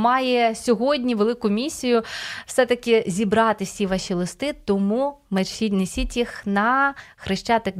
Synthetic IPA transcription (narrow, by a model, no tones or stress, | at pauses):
mɑjɛsʲɔɦɔdʲnʲiʋelˠɪkʊmʲisʲijʊwsɛt̪ɐkɪzʲibɾɑt̪ɪsʲiʋɑʃʲilˠɪst̪ɪt̪ɔmumeinesʲitʲjixnɐxɾɪʃt͡ʃɑt̪ɛk